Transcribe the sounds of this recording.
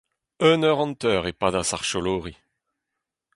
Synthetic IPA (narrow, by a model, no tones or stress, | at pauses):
œnœʁɑ̃nt̪œːʁepad̪asaʁʃɔloːʁi